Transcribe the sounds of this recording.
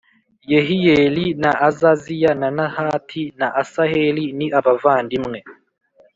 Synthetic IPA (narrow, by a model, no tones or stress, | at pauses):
jeɦijelinaʔazazijananahatʰinaʔasaheliniʔaβavaːndimŋe